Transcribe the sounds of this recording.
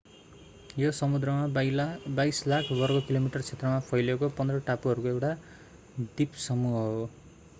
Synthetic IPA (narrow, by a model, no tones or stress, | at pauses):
josʌmud̪rʌmabajslakʰbʌrɡokilomiʈʌrt͡sʰet̪rʌmapʰʌjlekopʌnd̪rʌʈapuɦʌɾukoewʈa | d̪ipsʌmuɦɦo